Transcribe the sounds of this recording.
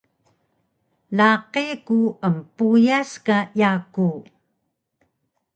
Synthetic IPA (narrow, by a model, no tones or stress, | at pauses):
laqekuəmpujaskajaku